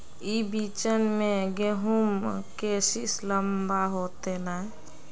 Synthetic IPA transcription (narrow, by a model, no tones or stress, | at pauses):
ibit͡ʃənmẽɡeɦumkesisləmbaɦoːt̪enaɦɛ